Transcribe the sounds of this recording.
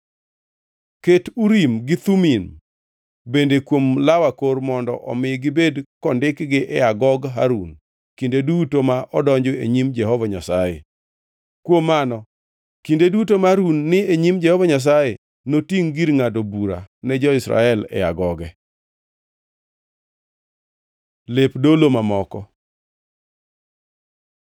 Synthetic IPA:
ketuɾimɡɪt̪umin | bendekwomlawakoɾmɔndɔ̰ʔɔmɪɡɪbedkɔndɪkɡɪʔɛaɡɔɡɦa̰ɾun | kindedutomaʔɔdɔɲd͡ʒoḛɲimd͡ʒɛhɔvaɲasajḛ | kwomːanɔ | kindedutomaɾunːɪeɲimd͡ʒɛhɔvaɲas̬aje | notiŋɡiɾŋadobuɾa̰nɛd͡ʒɔɪsɾa̰ɛlɛ̰jaɡɔɡɛ | lepdolomamɔkɔ

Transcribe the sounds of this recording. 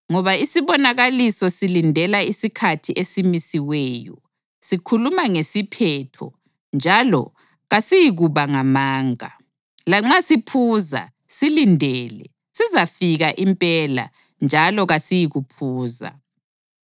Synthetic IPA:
ŋɔβaisiβɔnaɣalisɔsilindʱɛlaisikʰatʰiʔesimisiwɛːjɔ̰ | sikʰulumaŋesipʰɛtʰɔ̰ | nd͡ʒʱalɔ̰ | ɣasijiɣuβaŋamaːŋa̰ | laŋ͡ǁasipʰuza̰ | silindʱɛlɛ | sizafiɣaʔimpʼɛla̰ | nd͡ʒʱalɔɣasijiɣupʰuːza̰

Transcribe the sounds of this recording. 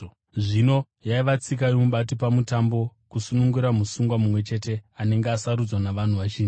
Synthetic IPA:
ʐino̞ | jaiʋat͡sikajimuɓat̬ipamutambo̞kusunuŋɡuɾamusuŋɡwamumwe̞t͡ʃe̞te̞ane̞ŋɡeasaɾud͡zwanaʋan̤uʋat͡ʃiːnd͡ʒi

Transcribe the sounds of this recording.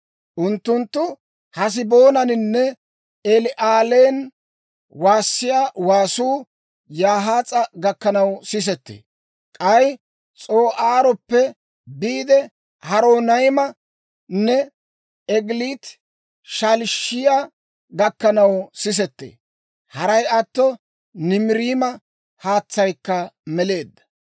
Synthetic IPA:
ʔʊnt̪ːʊnt̪ːʊ | hɐs̬ɪbo̞ːnɐnɪnːɛ | ɛlɪʔaːleːn | waːsːɪjaːwaːsuː | jaːɦaːt͡sʼɐɡɐkːɐnɐwsɪs̬ɛt̪ːḛː | kʼɐj | t͡sʼo̞ːʔaːɾɔpːɛ | biːd̪ɛ | hɐɾoːnɐjmɐ | nːɛ | ɛɡliːt̪ | ʃalʃɪja | ɡɐkːɐnɐwsɪs̬ɛt̪ːḛː | hɐɾɐjɐt̪ːɔ | nɪmɪɾiːmɐ | haːt͡sːɐjkːɐmɛle̞ːd̪ːɐ̥

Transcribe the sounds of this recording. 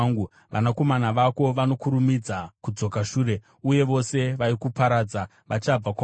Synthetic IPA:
ŋɡu | ʋa̰nako̞manaʋako̞ʋano̞kuɾumid͡zakud͡zo̞kaʃuːɾe̞ | uje̞ʋo̞se̞ʋaikupaɾaːd͡za | ʋʔat͡ʃab͡vak

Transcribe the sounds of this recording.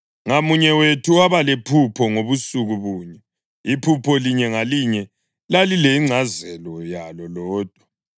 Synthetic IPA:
ŋamuɲɛwetʰuwaβalepʰupʰɔŋoβusuɣuβuːɲɛ | ipʰupʰɔliɲɛŋaliɲɛ | lalileiŋ͡ǀʱazɛlɔjalɔlɔːd̥ʱwḁ

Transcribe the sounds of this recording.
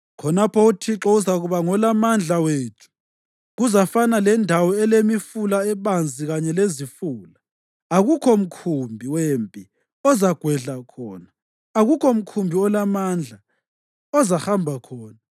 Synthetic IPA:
kʰɔnapʰɔutʰiǁɔuzaɣuβaŋɔlamand͡ɮʱaweːtʰu̥ | ɣuzafanalɛndʱawɔɛlemifulaɛβand͡zʱiɣaɲɛlezifuːla | aɣukʰom̩kʰumbʱiwempʼi | ɔzaɡ̥ʱwɛɮakʰɔːnaː | ɣukʰɔm̩kʰumbʱiɔlamand͡ɮʱa | ɔzaxambʱakʰɔːna

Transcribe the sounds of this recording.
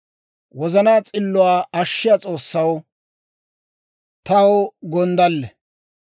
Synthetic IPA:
wɔzɐnaːt͡sʼɪlːʊwaːɐʃːɪjat͡sʼo̞ːsːɐw | t̪ɐwɡɔnd̪ɐlːɛ

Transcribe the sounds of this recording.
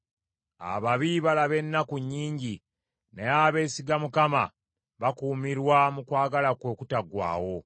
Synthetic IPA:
a̰βaβiβalaβe̞nːakuɲːiːɲɟi | neaːβe̞ːsiɡamukama̰ | βakuːmiɾwamukwaːɡalakwokutaɡwa̰ːwo̞

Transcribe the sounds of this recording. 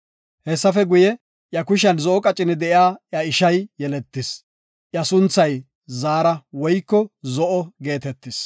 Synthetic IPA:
hɛsːɐfɛɡʊjɛ | ʔjɐkʊʃ̬ɐnzɔʔɔkʼɐt͡ʃʼːɪnɪd̪ɛʔjaːʔjɐɪʃɐjjɛlɛt̪ːɪs | ʔjɐsʊnt͡sːɐj | zaːɾɐwɔjkːɔzɔʔɔɡe̞ːt̪ɛt̪ːɪs

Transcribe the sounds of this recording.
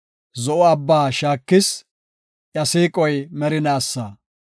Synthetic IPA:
zɔʔɔɐbːaːʃaːkːɪs | ʔjɐsiːkʼɔjmɛɾɪnaːsːa

